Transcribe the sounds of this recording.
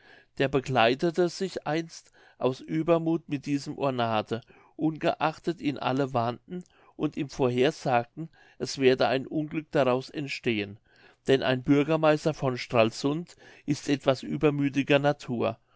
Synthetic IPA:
d̥eːɐbəɡlaɪtətəz̥ɪçʔaɪnst | ʔaʊsʔyːbɐmuːtmɪt̚d̥iːzəmʔo̰ɐnaːdə | ʔʊnɡə̰ʔaχtətɪnʔa̰ləvandn̩ | ʔʊntiːmfoːɐɦeːɐz̥aːk̚tn̩ | ʔɛsv̥eːɐdəaɪnʔʊnɡlʏk̚d̥aʁaʊsɛntʃteːən | d̥ɛnʔa̰ɪnbʏɐɡɐmaɪstɐfɔnʃtʁ̥aːlsʊntʔɪstʔɛtv̥asʔyːbɐmyːt̬ɪɡɐnatʰuːɐ

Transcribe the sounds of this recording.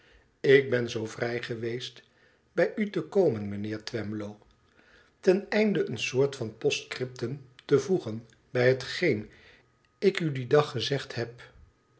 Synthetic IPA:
ɪk̚bɛnzowvrɛjχəʋejst | b̥ɛjʔytəkowmənmənɪːɹtʋɛmblow | tɛnɛjndəʔənsʊːɹtfɑnpɔstkrɪp̚təntəvuχən | bɛjɦətχejn | ɪkydidɑχəzɛχthɛp

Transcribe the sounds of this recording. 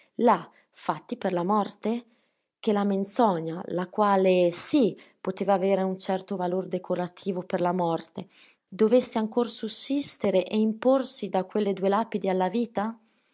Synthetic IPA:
la | fat̪ːiperlamɔrt̪e | k̟elament̪sɔɲalakwaːlesi | pot̪eːvaːveːɾeunt͡ʃɛrt̪ovalord̪ekʰoɾat̪ʰiːvoperlamɔrt̪e | d̪ovesːeaŋkorsusːist̪eɾeʔeimporsid̪akwelːed̪uelaːpid̪ialːaviːt̪a

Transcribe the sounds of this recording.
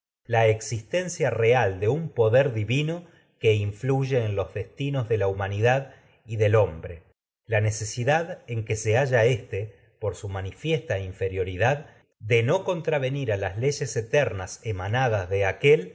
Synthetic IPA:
laeksist̪e̞nsjare̞ald̪e̞umpo̞ðeɾðiβino̞ | ke̞iɱfluʒe̞ːnlo̞zðe̞st̪ino̞zðe̞laumaniðað | iðe̞lo̞mbɾe̞ | lane̞se̞siðaðeŋke̞se̞aʒaest̪e̞ | po̞ɾsumanifje̞st̪aiɱfe̞ɾjo̞ɾiðað | d̪e̞no̞ko̞nt̪ɾaβe̞niɾalasle̞ʒe̞set̪eɾnasemanaðazðe̞akel

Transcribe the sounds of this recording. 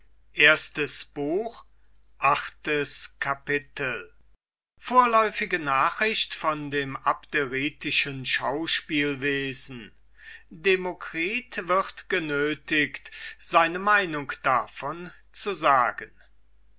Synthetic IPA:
ʔeːɐstəsb̥uːx | ʔaχtəskʰapɪtl̩ | foːɐlɔʏfɪɡənaːχʁ̥ɪɕtfɔndeːmapteʁiːtɪʃənʃaʊʃpiːlveːzn̩ | demokʁ̥iːtv̥ɪʁtɡ̥ənøːtɪktz̥aɪnəmaɪnʊŋkd̥afɔn | t͡suzaːɡən

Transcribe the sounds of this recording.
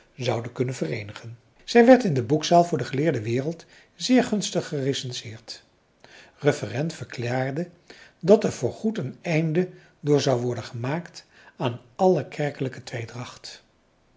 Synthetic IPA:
zɑwdəkɵnənvərejnəχən | z̥ɛjʋɛɹtɪndəbuksaːlˠvʊːɹdəχəlɪːɹdəʋɪːrəlˠt | zɪːɹχɵnstəχːəresɛnsɪːɹt | rəfərɛntfəɹklaːɹdə | dɑtɛɹv̥ʊːɹχutənɛjndə | dʊːɹzɑwʋɔɹdənχəmaːkt | aːnɑləkʰɛɹkələkətʋejdrɑχt

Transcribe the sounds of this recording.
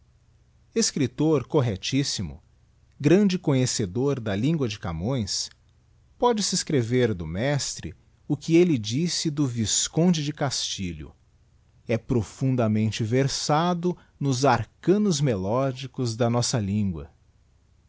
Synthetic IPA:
eskɾit̪oɾkoɦet͡ʃisimʊ̰ | ɡɾɐ̃nd͡ʒɪkõɲesed̪oɾd̪ɐlĩŋɡwɐd͡ʒɪkamõj̃s | pɔd͡ʒɪsɪskɾeveɾd̪ʊmɛst̪ɾɪ̰ | ʊkɪelɪd͡ʒisɪd̪ʊviskõd͡ʒɪd͡ʒɪkast͡ʃiʎʊ̰ | ɛpɾofũnd̪ɐmẽnt͡ʃɪveɾsad̪ʊ | nʊzaɾkɐ̃nʊzmelɔd͡ʒikʊzd̪ɐnɔsɐlĩŋɡwɐ̰

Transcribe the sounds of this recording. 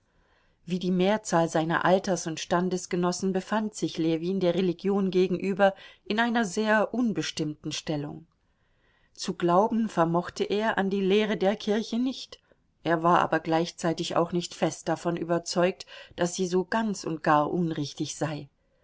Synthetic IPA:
viːdiːmeːɐt͡saːlzaɪnɐ̰ʔaltɐsʊntʃtandəsɡ̥ənɔsn̩bəfantz̥ɪçleːviːndeːɐʁeliɡjoːnɡeːɡŋ̩ʔyːbɐʔɪnʔaɪnɐzeːɐʔʊnbəʃtɪmtn̩ʃtɛlʊ̰ŋ | t͡suɡlaʊbm̩fɛɐmɔχtʰəʔeːɐʔa̰ndiːleːʁ̞ədeːɐkʰɪɐçənɪçt | ʔeːɐvaːɐʔa̰ːbɐɡlaɪçt͡saɪtɪça̰ʊxnɪçtfɛst̚d̥afɔnʔy̰ːbɐt͡sɔʏk̚td̥asz̥iːzoːɡ̥ant͡sʊ̰ntɡ̥aːɐʔʊnʁɪçtɪçz̥aɪ

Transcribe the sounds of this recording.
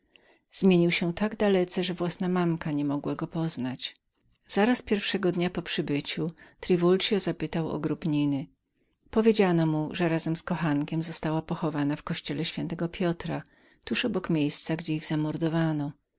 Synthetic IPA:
z̥mʲjeɲiwɕɛt̪aɡd̪alɛt̪sɛʐɛvwasnamamkaɲɛmɔɡwaɡɔpɔznat͡ɕ | z̥aɾaspʲjɛɾfʂɛɡɔd̪ɲapɔpʂɘbɘt͡ɕut̪ɾɘvult͡ʂjɔzapɘt̪awɔ̰ɡɾubɲinɘ | pɔvʲjed͡ʑanɔmuʐɛɾazɛmskɔxaŋkʲɛmzɔst̪awapɔxɔvanafkɔɕt͡ɕɛlɛɕfʲjɛnt̪ɛɡɔpʲjɔt̪ɾa | t̪uʂɔbɔkmʲjejst̪saɡd͡ʑɛiɣzamɔɾd̪ɔvanɔ

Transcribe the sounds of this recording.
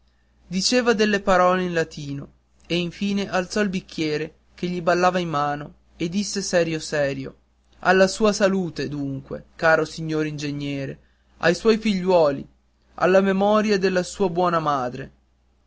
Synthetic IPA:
d̪it͡ʃeːvad̪elːepaɾɔːleinlat̪iːno | eiɱfiːneʔalt̪sɔilbikːjɛːɾe | k̟eʎːibalːaːvaimːaːno | ed̪ːisːesɛːɾjosɛːɾjo̰ | a̰lːasuːasaluːt̪ed̪uŋkwḛkaːɾosiɲːoːɾind͡ʒeɲːɛːɾe | a̰jswɔjfiʎːwɔːlḭ | a̰lːamemɔːɾjad̪elːasuːabwɔːnamaːd̪ɾḛ

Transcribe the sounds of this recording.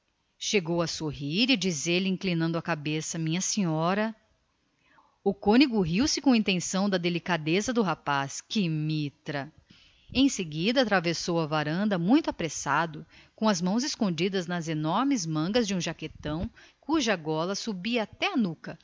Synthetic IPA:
ʃeɡowɐsoɦiɾɪd͡ʒizeɾlɪĩklinɐ̃nd̪ʊɐkabesɐmĩɲɐsĩɲɔɾɐ | ʊkõniɡʊɦiwsɪkõĩnt̪ẽsɐ̃w̃d̪ɐd̪elikad̪ezɐd̪ʊɦapaskɪmit̪ɾɐ | ẽj̃seɡid̪ɐt̪ɾavesowɐvaɾɐ̃nd̪ɐmũj̃t̪ʊapɾesad̪ʊkõɐzmɐ̃w̃zɪskõnd͡ʒid̪ɐznɐzenɔɾmɪzmɐ̃ɡɐzd͡ʒɪũʒaket̪ɐ̃w̃kuʒɐɡɔlɐsubiɐat̪ɛɐnukɐ

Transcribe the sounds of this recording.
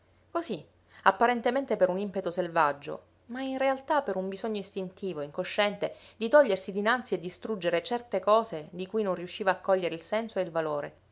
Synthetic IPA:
kozi | apːaɾent̪ement̪epeɾunimpet̪oselvad͡ʒːo̰ | mainrealt̪apːeɾumbizoɲːoist̪int̪iːvoiŋkoʃːɛnt̪ed̪it̪ɔʎːersid̪inant̪sied̪ːist̪ɾud͡ʒeɾet͡ʃɛrt̪ekɔːszed̪ikujnonriuʃːiːvaːkːɔʎːeɾeilsɛnsoeilvaloːɾe

